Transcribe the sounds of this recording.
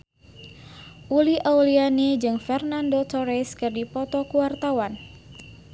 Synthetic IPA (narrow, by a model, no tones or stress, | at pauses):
ʔuliʔaulianid͡ʒɨŋfɛrnandot̪ɔɾɛskɨrdipɔt̪ɔkuwart̪awan